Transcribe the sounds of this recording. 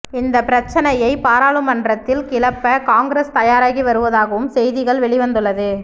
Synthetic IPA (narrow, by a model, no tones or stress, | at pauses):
ɪnd̪ɐpːɪɾɐt͡ʃːɐnɐjɐɪpaːɾaːɭɯmɐndrɐt̪ːɪlkɪlɐpːɐkaːŋɡɾest̪ɐjaːɾaːɣiʋɐɾɯʋɐðaːɣɐʋɯmsɛjðɪɣɐɭʋɛɭɪʋɐnd̪ɯɭːɐðɯ